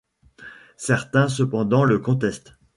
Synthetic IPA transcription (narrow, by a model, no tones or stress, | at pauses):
sɛʁt̪ɛ̃s̬əpɑ̃d̪ɑ̃ləkɔ̃t̪ɛst̪